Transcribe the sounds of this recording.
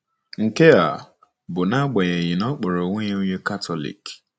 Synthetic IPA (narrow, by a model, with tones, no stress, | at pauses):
ŋ̩˨ke˦a̰˨ | bʊ˨na˦ɡ͡ba˨ɲe˨ɲɪ˨nɔ˦k͡po˨ɾo˨ŋʷe˦ɲe˦u˦ɲe˦ka˦tʰɔ˦lḭ˨k